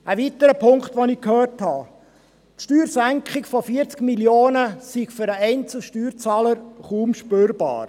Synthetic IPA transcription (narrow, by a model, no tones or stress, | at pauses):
əvitəɾəpʰʊŋkχtʋonɪkʰhøːrthɑ | tʃtyːɾsæŋkχɪkfofiːəɾt͡skmiljoːnəsiɡ̥fʏɾəɛɪnt͡sl̩ʃtyːɾt͡sɑːləɾχuːmʃpøːɾb̥ɑ̰ːɾ